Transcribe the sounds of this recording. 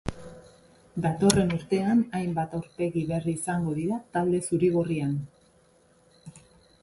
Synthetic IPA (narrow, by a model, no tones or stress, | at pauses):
d̪at̪o̞re̞nuɾt̪e̞anajmbat̪awɾpe̞ɣiβe̞riːsaŋɡo̞ðiɾat̪ald̪e̞suɾiɣ̞orian